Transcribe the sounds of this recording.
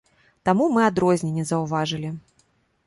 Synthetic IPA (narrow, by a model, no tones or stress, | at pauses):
t̪amumɨad̪ɾɔzʲnʲɛnʲːɛzɐwvaʐɨlʲi